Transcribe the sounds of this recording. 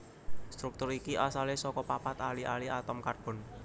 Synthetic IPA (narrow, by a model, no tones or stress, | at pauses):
st̪ɾuk̚t̪ʊɾikiʔasalesɔkɔpapat̪aliʔaliʔat̪ɔmkarb̥ɔ̤n